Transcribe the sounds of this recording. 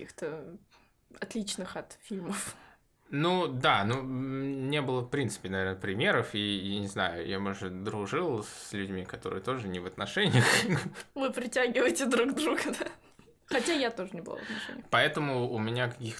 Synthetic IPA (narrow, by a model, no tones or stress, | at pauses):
ixt̪ə | ɐt̪lʲit͡ɕnɨxɐt̪fʲilʲməf | nud̪anunʲebɨlˠəfpɾʲint̪sɨ̥pʲɪnɐvʲenəpɾʲɪmʲe̞ɾəfijanʲɪznajʊ̰jamoʐɨd̪ɾʊʐɨlˠsʲlʲʉdʲmʲikɐt̪o̞ɾɨ̰jət̪o̞ʐɨnʲɪvət̪nɐʂɛnʲɪjəxvɨpɾʲɪtʲæɡʲɪvəjɪtʲɪd̪ɾuɡd̪ɾuɡəd̪a | xɐtʲajat̪o̞ʐɨnʲɪbəlˠa̰vət̪nɐʂɛ̰nʲɪpɐɛt̪əmʊːmʲɪnʲakɐkʲix